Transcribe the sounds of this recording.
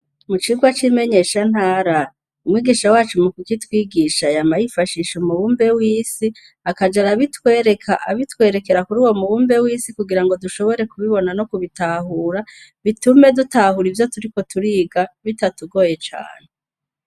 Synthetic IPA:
mut͡ʃiɡwat͡ʃime̞ɲe̞ːʃan̥haːɾa | umŋiːɡiːʃawaːt͡ʃumukukitwiːɡiːʃajamajifaʃiːʃumuβuːmbe̞wiːsi | akad͡ʒaɾaβitwe̞ːɾe̞kʰa̰ʔa̰βitwe̞ːɾe̞ke̞ɾakuɾuːwo̞muβuːmbe̞wiːsikuɡiɾaŋɡo̞duʃo̞βo̞ɾe̞kuβiβo̞nano̞kuβitaːɦuːɾaβitume̞dutaːhuɾivjo̞tuɾiko̞tuɾiːɡaβitatuɡo̞ːje̞t͡ʃa̰ːn̥e

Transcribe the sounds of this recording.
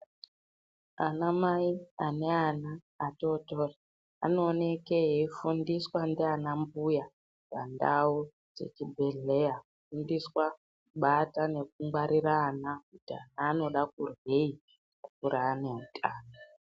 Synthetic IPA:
anamaiane̞anaː | to̞tora | a̰noːne̞kejeifundiswandianambuja | pa̰nda̰u | d͡ze̞̰t͡ʃibʱe̞ɮe̞jakufundiswa | kuɓatane̞k̚uŋɡwaɾiɾaːnakuta̰naːno̞ɗakurwe̞i | kukuɾaːneŋkʰʼaːna

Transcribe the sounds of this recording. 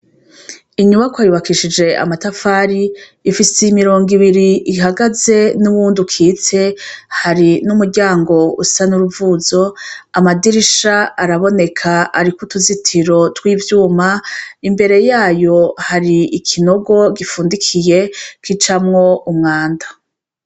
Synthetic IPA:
iɲuβakwaːjuβakiʃid͡ʒe̞ʔa̰matafaːɾiː | fiseimiɾo̞ːŋɡiβiɾiʔiɦaɡaze̞nuβuːndukʰiːt͡se̞haɾinumuɾɟaːŋɡo̞ṵsanuɾuvuzo̞amadiɾiʃaːɾaβo̞ne̞kʰaaɾikutuzitʰiɾo̞twiːvjuːmaimbe̞ɾe̞jaːjo̞haɾiikʰino̞ɡo̞ɡifuːndikʰije̞kit͡ʃamŋo̞umŋaːnda

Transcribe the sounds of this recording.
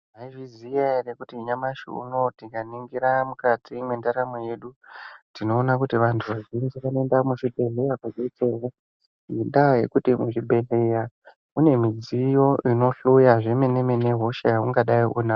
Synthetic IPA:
aiʐizijarekutiɲamaʃḭṵno̞tikaniŋɡiɾamukad͡zimwendaɾamoje̞ɗutino̞ːnak̬utiʋantʰuʋaʒinzekanoendamuʃibʱe̞ɮe̞jakuɡet͡serwa | inɗaje̞kutimuʐibʱe̞ɮeja | une̞mid͡zijo̞ʔino̞ɬujaʐe̞menemene̞ɦo̞ʃajauŋɡaɗaiʔuna

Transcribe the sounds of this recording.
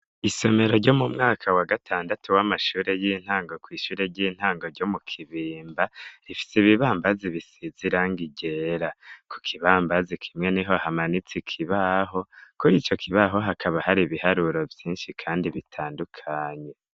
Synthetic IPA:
iso̞me̞ɾo̞ɾɟo̞mumŋaːkʰawaɡatʰaːndatuwamaʃuːɾe̞jiːn̥haːŋɡo̞kwiːʃuːɾe̞ɾɟiːn̥haːŋɡo̞ɾɟomukʰiβiːmbaɾifi̥seiβiβaːmbaziβisiziɾaŋɡiɟe̞ɾakʰu̥kʰiβaːmbazikʰimŋe̞niɦo̞hamanit͡sikʰiβaɦo̞kuɾiːt͡ʃo̞kʰiβaɦo̞ɦakaβahaɾiβihaɾuɾovjiːnʃikʰaːndiβitʰaːndukʰaːɲe̞

